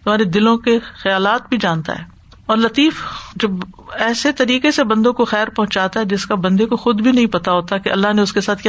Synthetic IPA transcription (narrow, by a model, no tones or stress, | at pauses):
t̪ʊm̤aːɾed̪ɪlõkexɐjaːlaːt̪̚bʱid͡ʒaːnt̪a̰ɦɛː | ɔːɾlɐt̪iːfd͡ʒɐbɛːset̪ɐɾiːkesebɐ̃nd̪õkoxɛːɾpɐɦʊ̃t͡ʃaːt̪aɦɛd͡ʒɪskabɐ̃nd̪ekoxʊd̪bʱinɐɦĩpɐt̪aɦoːt̪akeʔɐlːaɦneʊskesaːt̪ʰk